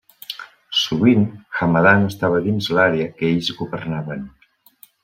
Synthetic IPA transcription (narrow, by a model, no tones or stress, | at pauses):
suβinxamaðanəst̪aβəðinzlaɾeəkeʎzɣuβərnaβən